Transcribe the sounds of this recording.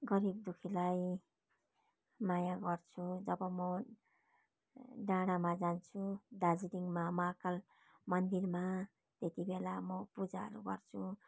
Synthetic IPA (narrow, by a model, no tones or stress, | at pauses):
ɡʌɾibd̪ukʰilaj | majaɡʌrt͡sʰud͡zʌbʌmʌ | naɽ̃amad͡zant͡sʰud̪ad͡ziɾiŋmamakal | mʌnd̪irma | t̪et̪ibelamʌpud͡zaɦʌ̰ɾuɡʌrt͡sʰu